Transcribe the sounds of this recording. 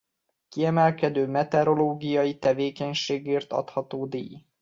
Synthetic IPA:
kiɛmɛlkɛd̪øːmɛt̪ɛɾo̞loːɡijɒjit̪ɛveːkɛɲʃeːɡeːrt̪ɒ̰t̪hɒt̪oːd̪ḭːj

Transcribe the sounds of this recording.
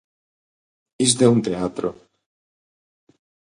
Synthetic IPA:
izd̪eunt̪eat̪ɾo̰

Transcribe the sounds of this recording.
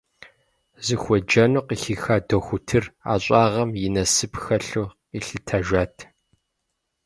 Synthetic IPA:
zɨxʷɔd͡ʒɐnuːqixiːxaːdoxʷʊtʰɨra̰ːɕʼɑːʁɐmjɪnɐsɨpʰxɐɬuː | iɬɨtʰaʒʷaːtʰ

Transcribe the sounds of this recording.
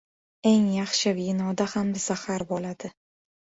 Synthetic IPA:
e̞ŋjaχʃɪvinɒd̪ahamzahaɾbɒlad̪̥ɪ

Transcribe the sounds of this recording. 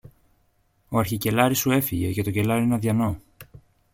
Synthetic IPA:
o̞ɐɾçice̞lɐɾisue̞fiʝe̞ce̞t̪o̞ce̞lɐɾienɐðʝɐno̞

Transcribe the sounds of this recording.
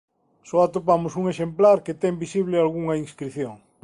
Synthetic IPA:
sɔat̪opamʊsuŋeʃemplaɾket̪ɛmbisiβlɪalɣuŋɐiŋskɾiθjoŋ

